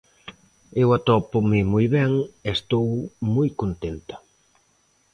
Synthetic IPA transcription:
ewat̪ɔpʊmɪmujβɛŋest̪owmujkont̪ent̪ḁ

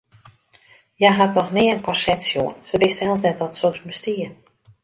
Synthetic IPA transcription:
jaɦatnɔxnɪənkɔrsɛtsjoənsəbɪstɛlˠs̬nɛtɔtsoksbəstiə

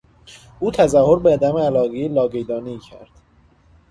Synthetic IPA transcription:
ʔuːt̪ʰæzæhoɾbeːd̪æmeælɒːɣelɒːɡejd̪ɒːniːcʰæ̰ɾd̪̥

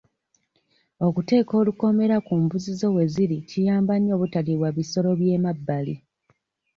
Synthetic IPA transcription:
o̞kute̞ːko̞ːluko̞me̞ɾakumbuzizowe̞ziɾicijaːmbaɲːo̞ːβutaliβwaβiso̞lo̞βje̞ːmabːali

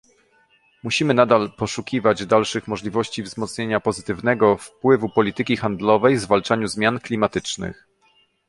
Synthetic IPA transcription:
muɕimɘnad̪alpɔʂukʲivad͡ʑd̪alʂɘxmɔʐlʲivɔɕt͡ɕivzmɔt̪sɲeɲapɔzɘt̪ɘvn̪ɛɡɔfpwɘvupɔlʲit̪ɘkʲixand̪lɔvɛjvzvalt͡ʂaɲuzmʲjanklʲimat̪ɘt͡ʂnɘ̰x

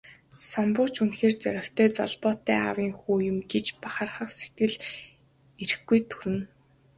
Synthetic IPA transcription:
sampʊːt͡ɕunxeːrt͡sœ̰ɾʲɞ̆kt̪ʰœːt͡sɔ̰ɮpɔːt̪ːæːa̰wiːŋxuːjʊ̆mɡet͡ɕpaχə̆rχə̆qse̥t̪ɡɘ̆ɮ | eɾɘ̆xɡujt̪ʰuɾɘ̆n

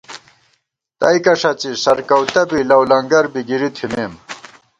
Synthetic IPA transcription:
t̪ɐ̰ikɐʂɐt͡ɕisɐɾkɐwt̪ɐbilɐwlɐŋɡɐɾbiɡiɾit̪ʰimeːm

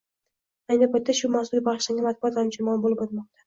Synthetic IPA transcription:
ajnɪpʰajt̪ːaʃʊmasʊlʲbaʁʃlaŋʲamat̪̚bʊɒt̪hamd͡ʒʰɪmɒnbolɪpot̪mɒq̚t̪ʰḁ

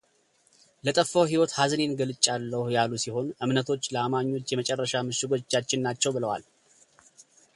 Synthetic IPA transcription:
lət̪ʼəfːəwɦiwɔt̪hazne̞nɡəlɨt͡ʃʼːalːəhujalusiho̞nʔɨmnət̪ʰo̞t͡ʃːləamaɲːo̞t͡ʃːjɛmət͡ʃʼɛrːəʃamɨʃɪɡo̞t͡ʃːat͡ʃːɪnːat͡ʃːɛwbɨləwa̰l

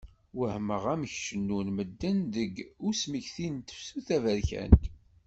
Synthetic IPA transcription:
wəhməʁæməçʃənːunməd̪ːənðəɡʊsmiçθint̪ə̥fsuθævəɾçæ̰nt̪

